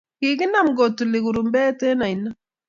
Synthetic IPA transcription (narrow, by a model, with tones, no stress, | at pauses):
ki˨ɡi˦na˦˨mɡo˨tːu˨le˨ɡu˨ɾu˨mbɛ˦te˦na˨i˨na˦